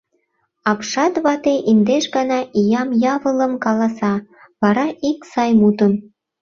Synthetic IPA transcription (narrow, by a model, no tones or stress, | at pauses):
ɑpʃɑt̪βɑt̪eʔind̪eʃɡɑnɑʔijɑmjɑβələ̆mkɑlɑsɑ | βɑɾɑʔiksɑjmut̪ən